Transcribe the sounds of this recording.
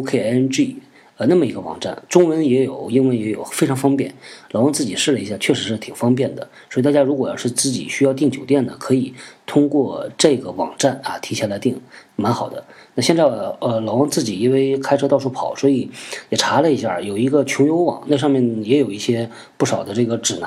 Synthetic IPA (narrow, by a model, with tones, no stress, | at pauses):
o˥kʰe˥ɛ˥nʈ͡ʂi˥˩ | ə˧na˥˩mə˩i˧˥ɡə˧wɑ̰˨˩ŋʈ͡ʂa̰˥˩nʈ͡ʂʊ˥ŋwə˧˥njɛ˧˥jo˨˩ʊi˥nwe˥˩ɪjɛ˧˥jo˨˩ʊfe˥ɪʈ͡ʂʰɑ˧˥ŋfɑ˥ŋpjɛ˥˩nlɑ˨˩ʊwɑ˧˥ŋt͡sɹ̩˥˩t͡ɕi˨˩ʂɻ̩˥˩lə˩i˧˥ɕja˥˩t͡ɕʰɥɛ˥˩ʂɻ̩˧˥ʂɻ̩˥˩t̪ʰi˨˩ŋfɑ˥ŋpjɛ˥˩nd̪ə˩swɔ˧˥i˨˩t̪a˥˩t͡ɕja˥ɻu˧˥kwɔ˨˩jɑ˥ʂɻ̩˥˧t͡sɹ̩˥˩t͡ɕḭ˨˩ɕy˥jɑ˥˧ʊt̪̬i˥˩ŋt͡ɕjo˨˩ʊt̪jɛ˥˩nd̪ə˩kʰɤ˧˥i˨˩t̪ʰʊ˥ŋkwɔ˥˧ʈ͡ʂɤ˥˩ɡə̰˩wɑ̰˨˩ŋʈ͡ʂa˥˩nɐ̰˨˩t̪ʰi˧˥t͡ɕʰi˥˩la˧˥ɪt̪i˥˩ŋma˧˥nxɑ˨˩ʊd̪ə̰˦na˥˩ɕjɛ˥˧nt͡sa˥˩ɪə˧lɑ˨˩ʊwɑ˧˥ŋt͡sɹ̩˥˩t͡ɕi˨˩i˥nwe˥˧ɪkʰa˥ɪʈ͡ʂʰɤ˥t̪ɑ˥˧ʈ͡ʂʰu˥˩pʰɑ˨˩ʊswɔ˧˥i˨˩jɛ˨˩ʈ͡ʂʰa˧˥lə˧i˧˥ɕja̰˥˩jo˨˩ʊi˧˥ɡə˧t͡ɕʰjʊ˧˥ŋjo˧˥ʊwɑ̰˨˩˦ŋna˥˧ʂ̬ɑ˥˧ŋmjɛ˥˩njɛ˧˥jo˨˩ʊi˥˩ɕjɛ˥ | pu˥˩ʂɑ˨˩ʊd̪ə˦ʈ͡ʂɤ˥˩ɡə˩ʈ͡ʂɻ̩˨˩na˧˥